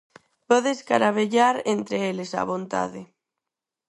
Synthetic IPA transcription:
pɔðeskaɾaβeʎaɾent̪ɾeelesa̰βõnt̪a̰ðɪ

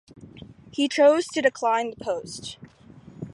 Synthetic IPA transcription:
hit͡ʃʰoʊz̥tʰɨdɨkʰl̥ãɪ̃nðəpʰoʊst

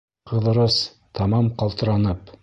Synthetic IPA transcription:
qʰɤ̆ðɤ̆ɾɤs | t̪ʰɑmɑmqɑlˠt̪ɤ̆ɾɑnɤp

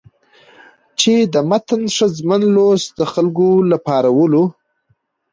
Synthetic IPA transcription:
t͡ʃed̪əmat̪ənʂəzmənlosd̪əxalɡolapɑɾawəlo

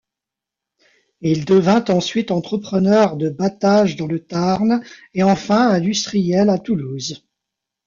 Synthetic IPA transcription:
ild̪əvɛ̃t̪ɑ̃sɥit̪ɑ̃t̪χəpχənœʁd̪əbat̪aʒd̪ɑ̃lət̪aʁneɑ̃fɛ̃ɛ̃d̪yst̪χijɛlat̪uluz

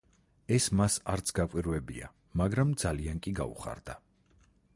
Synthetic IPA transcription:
ɛsmasaɾt̪sʰɡakʷʼwiɾvɛbḭa̰ | maɡɾamd̪zaliaŋkʼiɡa̰ṵχa̰ɾd̪a

